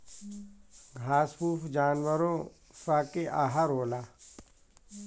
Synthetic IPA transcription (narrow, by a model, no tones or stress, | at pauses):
ɡʱaːspuːpʰd͡ʒaːnwəɾõ | saːkeʔaːɦaɾoːlaː